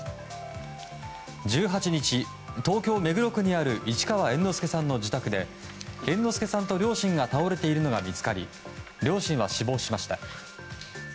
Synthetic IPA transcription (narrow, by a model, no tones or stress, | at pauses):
d͡ʑɨːɦat͡ɕiɲ̟it͡ɕi | t̪o̞ːkʲo̞ːme̞ɡɯ̟ɾo̞kɯ̟ɲ̟iaɾɯ̟ʔit͡ɕi̥kaβaẽ̞nːo̞sɨ̥ke̞sãnːo̞d͡ʑit̪akɯ̟d̪e̞ | ẽ̞nːo̞sɨ̥ke̞sãnt̪o̞ɾʲo̞ːɕĩŋɡat̪ao̞ɾe̞t̪e̞iɾɯ̟no̞ɡamʲit͡sɨ̥kaɾʲḭ | ɾʲo̞ːɕĩɰ̃βaɕibo̞ːɕimaɕi̥t̪a